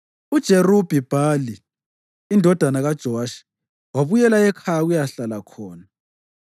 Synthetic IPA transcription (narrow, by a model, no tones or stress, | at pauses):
ud̥ʒ̥ʱerub̥ʱib̥ʱaliː | ndʱɔd̥ʱanaɣad̥ʒ̥ʱɔwaːʃi̥ | waβujɛlaɛkʰajaɣujaɬalakʰɔːna